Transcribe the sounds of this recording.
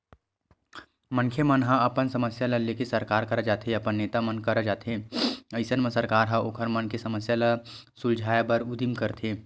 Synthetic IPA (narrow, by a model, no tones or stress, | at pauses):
mə̃nkʰemɐnɦãɐpənsɐməsjalɐlekesɐɾkaːɾkɐɾəd͡ʒaːt̪ʰeɐpənːeːt̪amənkɐɾd͡ʒaːt̪ʰeɐɪsənmə̃sɐɾkaːɾɦãoːkʰəɾmɐnkesɐməsjalɐsʊld͡ʒʱaːjabɐɾʊd̪imkɐɾt̪ʰeː